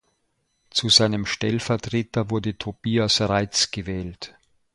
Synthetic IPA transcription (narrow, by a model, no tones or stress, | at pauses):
t͡suzaɪnəmʃtɛlfɛɐtʁ̥eːtɐvʊɐdətʰob̥iːasʁaɪt͡sɡ̥əvɛːlt